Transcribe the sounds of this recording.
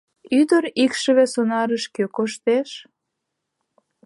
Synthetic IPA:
yd̪əɾikʃəβesonɑɾəʃkøkoʃt̪eʃ

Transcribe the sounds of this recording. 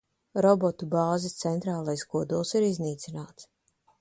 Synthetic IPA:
ɾɔbɔt̪ubaːzist̪sɛnt̪ɾaːlˠajskuɔd̪ulˠsiɾizniːt̪sinaːt̪s

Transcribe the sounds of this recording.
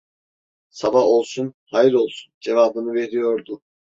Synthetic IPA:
sabaho̞lˠsunhajiɾo̞lˠsund͡ʒe̞vaːbɯnɯve̞ɾijo̞ɾd̪ʊ

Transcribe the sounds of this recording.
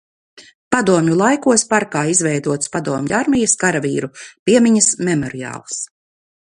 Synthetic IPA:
pad̪uɔmjʲulˠajkuɔspaɾkaːizvɛjd̪uɔt̪spad̪uɔmʲjuaɾmʲijaskaɾaviːɾupʲiɛmʲiɲɐsmɛmɔɾia̰ːlˠs

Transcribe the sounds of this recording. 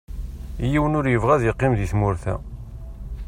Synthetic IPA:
jiwənʊɾjəvʁæðjəqːɪmðiθmʊɾθæ̰

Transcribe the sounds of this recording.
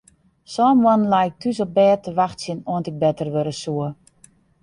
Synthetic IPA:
sɔːmwɔnlajk̚tʰysɔp̚bɛːtəʋaxtsɪnoəntɪk̚bɛtərʋøɾəsuə

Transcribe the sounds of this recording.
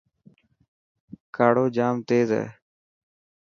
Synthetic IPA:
kaːɽoːd͡ʒaːmt̪eːzḛː

